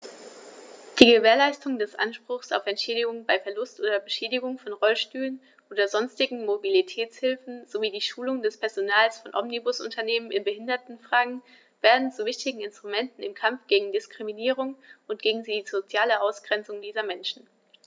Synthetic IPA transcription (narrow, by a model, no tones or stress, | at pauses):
d̥iːɡəveːɐlaɪstʊŋdɛsʔa̰nʃpʁ̥ʊχsa̰ʊfɛntʃɛːɾɪɡʊŋbaɪfɛɐlʊstʔoːdɐbəʃeːdɪɡʊŋfɔnʁɔlʃtyːlən | ʔʔoːdɐzɔnstɪɡŋ̩mobilitʰɛːt͡shɪlfn̩z̥oviːdiːʃuːlʊŋdɛspʰɛɐzonaːlsfɔnʔɔmnibʊsʊ̰ntʰɐneːmənɪnbəhɪndɐtn̩fʁ̥aːɡŋ̩ | v̥eːɐdn̩t͡suvɪçtɪɡŋ̩ɪnstʁ̥umɛntn̩ɪmkʰamfɡ̥eːɡŋ̩dɪskʁ̥iminiːʁ̞ʊŋʔʊnt̚ɡ̥eːɡŋ̩zizot͡sjaːləʔaʊsɡ̥ʁɛnt͡sʊŋdiːzɐmɛnʃn̩